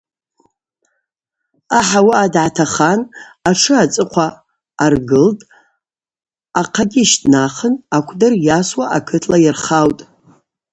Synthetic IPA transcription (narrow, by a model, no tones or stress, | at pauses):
aħawaadʕatʰaχanaʈ͡ʂʰɨat͡sʼɨqʷʰaː | rɡɨltʼ | aqʰaɡʲiʃtʼnaχənakʷʰdɨrjaswaʔakʰɨtʰlajɪrχawtʼ